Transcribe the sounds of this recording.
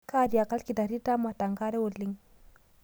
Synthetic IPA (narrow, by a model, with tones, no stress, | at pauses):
ka˦di˨ja˨ka˦lki˨da˨ɾi˦ta˦ma˨ta˨ŋɡa˦ɾe˦wu˨lːi˦ŋ